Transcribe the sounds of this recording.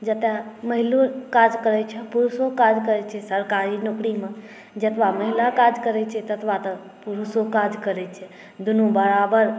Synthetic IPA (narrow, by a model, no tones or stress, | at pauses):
d͡ʒət̪aməɦilukad͡ʒkəɾɛt͡ʃʰɛpuɾusokad͡ʒkəɾɛt͡ʃʰɛsəɾkaɾinokɾimẽ | d͡ʒət̪ʋaməɦilakad͡ʒkəɾɛt͡ʃʰɛt̪ət̪ʰʋat̪ə | puɾusokad͡ʒkəɾɛt͡ʃʰɛ | d̪unubəɾabəɾ